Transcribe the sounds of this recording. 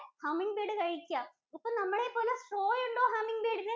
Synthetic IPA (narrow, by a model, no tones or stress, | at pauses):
hɐmiŋbeːɽɨkɐɻikʲːuaːm | ipːɐːnɐmːɐɭepo̞ːlɐsʈroːjuɳɖoːɦɐmːiŋɡbeːɽinɨ